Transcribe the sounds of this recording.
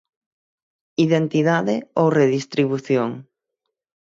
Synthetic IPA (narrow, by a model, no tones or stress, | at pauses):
iðent̪iðaðɪowreðist̪ɾiβuθjoŋ